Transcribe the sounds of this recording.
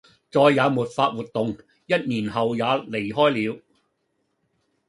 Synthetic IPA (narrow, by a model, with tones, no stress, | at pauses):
t͡sɔː˧jːaː˨˧muː˨˩t̚faː˧t̚wuː˨t̪̚ːʊ˨ŋ | jɐ˥t̚niː˨˩nɦɐ˨wjaː˨˧le˨˩jɦɔː˥jliː˨˧w